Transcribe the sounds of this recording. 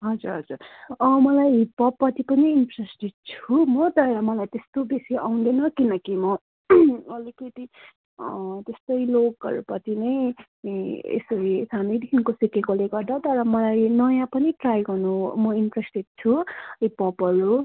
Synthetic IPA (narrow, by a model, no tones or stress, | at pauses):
ɦʌd͡zuɾɦʌd͡zurʌmʌlajpʌpːʌt̪ipʌniːnpresʈeɖ̚t͡sʰumʌt̪ʌɾʌmʌlajt̪est̪obesiʔawnd̪enʌkinʌkimʌ | ʌlikʌt̪i | t̪est̪ʌjloɡʌɾupʌt̪inʌj | ḛsʌɾḭsanʌjd̪ʱinkosikekoleɡʌrd̪ʌt̪ʌɾʌmʌlajnʌjãpʌniʈrajɡʌrnumʌinpresʈeɖ̚t͡sʰuipʌpʌɾu